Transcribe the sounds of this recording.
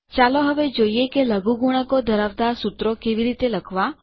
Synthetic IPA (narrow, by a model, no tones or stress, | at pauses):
t͡ʃaloɦəʋed͡ʒoiekeləɡuɡuɽ̃əkod̪ʱəɾəʋd̪aɾsut̪ɾokeʋiɾit̪eləkʰʋa